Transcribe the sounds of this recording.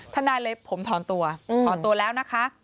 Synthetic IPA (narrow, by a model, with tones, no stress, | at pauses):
t̪ʰa˧˩naː˧jlɤː˧jpʰːo˩˦mt̪ʰɔː˩˦nt̪u˧ɐt̪ʰɔː˨˦nt̪u˧ɐlɛː˦˥wna˦˥kʰa˦˥ʔ